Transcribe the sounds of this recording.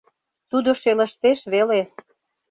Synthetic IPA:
t̪ud̪oʃelə̆ʃt̪eʃβele

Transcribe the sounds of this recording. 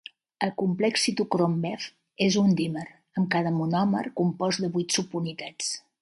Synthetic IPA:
əlˠkumplɛksit̪ukɾombɛf | ezund̪iməɾ | əmkað̞əmunɔmə̰ɾkumpɔzðəβujt̪supunit̪at͡s

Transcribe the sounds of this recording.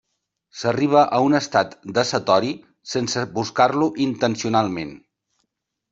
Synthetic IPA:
səriβ̞əʔəunəst̪at̪d̪əsət̪ɔɾi | sensəbuskarluʔint̪ənsiunalˠmen

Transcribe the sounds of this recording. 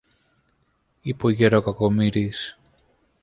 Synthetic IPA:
ipoʝeɾokakomiɾis

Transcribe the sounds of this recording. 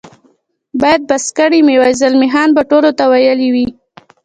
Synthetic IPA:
bɑjad̪̚baskaɽimewajzalmɪɦɑnbaʈolot̪awajəliwi

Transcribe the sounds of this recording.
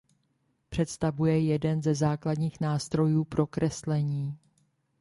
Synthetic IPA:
pr̝̥ɛt̪st̪avujɛjɛdɛnzɛzaːkladɲiːxnaːst̪ɾo̞juːpɾo̞kɾɛslɛɲiː

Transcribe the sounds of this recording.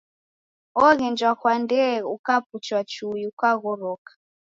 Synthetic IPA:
ɔɣɛnd͡ʒwakwandɛukap̚ut͡ʃwat͡ʃujiukaɣɔɾɔkḁ

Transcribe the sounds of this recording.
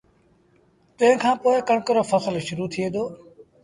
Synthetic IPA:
t̪ɐ̃ɦɪ̃kʰãːpoːɪkəɳkəɾoːfʰəsəlʃʊɾuːt̪ʰieːd̪oː

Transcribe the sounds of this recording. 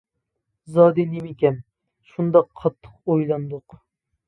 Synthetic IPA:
zɑːd̪ɪnemekʲɛn | ʃund̪ɑqʰːɑt̪ʰːə̥qojlˠɑnd̪ʊq

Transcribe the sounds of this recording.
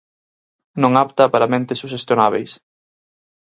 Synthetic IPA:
nõŋapt̪ɐpaɾɐmẽnt̪ɪsuʃest̪jonaβejs

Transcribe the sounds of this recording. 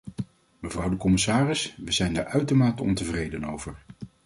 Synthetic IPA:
məvrʌwdəkɔmɪsaːrɪsʋəzɛjndaːɹœɥtomaːtəɔ̰ntəvrejdənowvəɹ

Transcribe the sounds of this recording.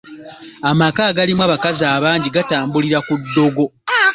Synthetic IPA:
amakaːɡalimwaːβakazaːβaːɲɟiɡataːmbuliɾakudːo̞ɡo̞

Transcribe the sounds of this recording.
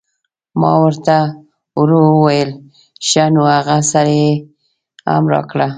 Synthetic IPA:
mɑ̰wəɾt̪a | wɾowəwajəl | ʃanoaɣasaɾaje | ha̰mɾɑ̰kɽa

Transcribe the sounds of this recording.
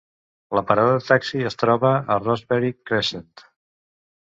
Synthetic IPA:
ləpəɾaðəðət̪aksiəst̪ɾɔβəərɔzβɛɾikːɾeʃənt̪

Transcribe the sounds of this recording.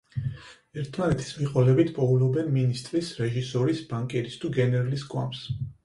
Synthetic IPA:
ɛɾt̪ʰmanɛt̪ʰi̥smiqʼɔlɛbit̪ʰpʼɔulɔbɛnminist̪ʼɾisɾɛʒisɔɾisbaŋkʼɛɾist̪ʰuɡɛnɛɾaliskʼwa̰ms

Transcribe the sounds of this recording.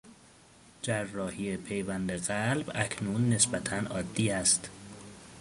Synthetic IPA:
d͡ʒærːɒːhiːepʰe̞jvænd̪eɣælbæcʰnuːnːe̞sbæt̪ʰænʔɒːd̪ːiːæst̪

